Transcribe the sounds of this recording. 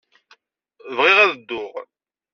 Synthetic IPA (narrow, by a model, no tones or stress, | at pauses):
vʁɪʁæðəd̪ːʊʁ